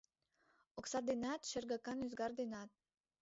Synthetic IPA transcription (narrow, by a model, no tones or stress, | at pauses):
oksɑd̪enɑt̪ʃĕrɡɑkɑnyzɡɑrd̪enɑt̪̚